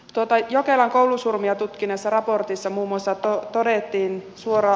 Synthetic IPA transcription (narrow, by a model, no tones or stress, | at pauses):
t̪uot̪ɑjokelɑŋkowlusurmiɑt̪ut̪kinesːɑrɑport̪isːɑmuːmuɑsːɑt̪ot̪odet̪ːiːnsuoɾɑ